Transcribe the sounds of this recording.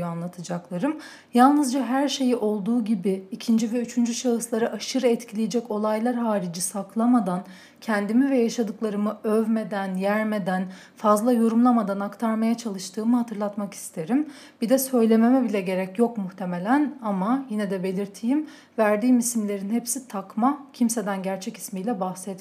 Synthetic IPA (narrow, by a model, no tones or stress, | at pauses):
anlˠat̪ʰɯd͡ʒaklˠaɾɯm | jalˠnɯzd͡ʒaɦæɾʃe̞jiʔo̞lˠd̪uːɟibiːcʰind͡ʒivɛyt͡ʃʰynd͡ʒyʃaɯslˠaɾɯʔaʃɯɾɛt̪cʰilʲijed͡ʒɛco̞lˠajlˠaɾɦaːɾid͡ʒisaklˠamad̪an | cʰɛnd̪imivɛjaʃad̪ɯklˠaɾɯmɯøvme̞d̪ænjæɾme̞d̪æn | fazlˠajo̞ɾumlˠamad̪anakt̪ʰaɾmajat͡ʃʰalˠɯʃt̪ʰɯːmɯɦat̪ʰɯɾlˠat̪maki̥st̪ʰe̞ɾim | b̥id̪ɛsø̞jlʲe̞me̞mɛbilʲɛɟe̞ɾɛcjo̞kmuxt̪ʰe̞me̞lʲænamajinɛd̪ɛbe̞lʲiɾt̪ʰijim | væɾd̪iːmisimlʲe̞ɾinhepsit̪ʰakmacʰimse̞d̪ænɟæɾt͡ʃʰɛci̥smijlʲɛbahsɛt̪